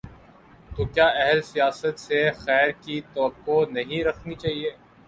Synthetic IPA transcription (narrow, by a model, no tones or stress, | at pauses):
t̪okjaːʔɛɦɛlsijaːsət̪sexɛːɾkit̪ɐʋəkːonɐɦĩɾɐkʰnit͡ʃaːɦieː